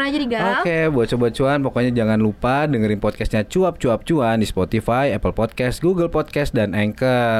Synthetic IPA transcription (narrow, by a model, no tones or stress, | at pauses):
ad͡ʒadiɡokebuat̪̚t͡ʃobat̪̚t͡ʃuanpɔkɔɲad͡ʒaŋanlupadəŋəɾɪnpɔt̪̚kɛst̪ɲat͡ʃuap̚t͡ʃuap̚t͡ʃuandispot̪ifajɛpəlpɔd̪̚kɛst̪ɡuɡəlpɔd̪̚kɛst̪̚danɛŋkə